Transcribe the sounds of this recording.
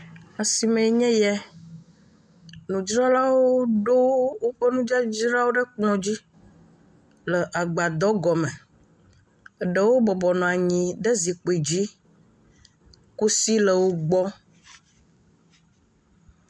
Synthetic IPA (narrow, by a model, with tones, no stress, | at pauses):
a˨si˨mɛ̃˨ɲɛ̃˦jɛ˦ | nũ˨d͡ʒɾɔ˦la˦wo˦ɖo˦wo˦ɸə˦nũ˦d͡ʒa˦d͡ʒi˦la˦wo˦ɖə˦k͡plɔ̃˨d͡ʑi˦ | lə˨ʔa˨ɡ͡ba˨d̪ɔ˦ɡɔ˨mɛ̃˨ | ɖə˨wo˦bɔ˨bɔ˨nɔ̃˨a˨ɲĩ˨ɖə˦zi˨k͡po˨i˨d͡ʑi˦ | ku˦si˦lə˨wo˦ɡ͡bɔ˦